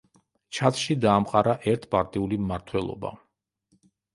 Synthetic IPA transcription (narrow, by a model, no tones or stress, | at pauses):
t͡ʃʰat̪ʰʼʃid̪aːmqʼaɾaʔɛɾt̪ʰpʼaɾt̪ʼiulimmaɾt̪ʰwɛlˠɔ̰ba̰